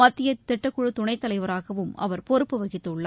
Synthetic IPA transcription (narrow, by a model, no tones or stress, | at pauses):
ɐt̪ːɪjɐt̪ːɪʈːɐkːʊɻɯt̪ʊɳɐɪt̪ːɐlɐɪʋɐɾaːɣɐʋɯmɐ̰ʋɐɾpɔɾɯpːɯʋɐɣɪt̪ːɯʊɭːɐ